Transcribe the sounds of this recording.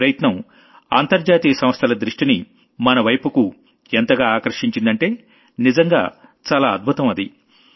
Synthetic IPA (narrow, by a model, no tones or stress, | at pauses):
ɾɐjɐt̪nɐm | a̰ːnt̪ɐɾd͡ʒaːt̪iːjɐsɐ̃mst̪ʰɐlɐd̪ɾiʂʈini | mɐnɐʋɐjpuku | ent̪ɐɡaːaːkɐɾɐʂiɲt͡ʃind̪ɐɳʈe̞ː | nizɐŋɡa̰ː | t͡ʃaːlaːɐd̪̚bʱut̪ɐmɐd̪ḭ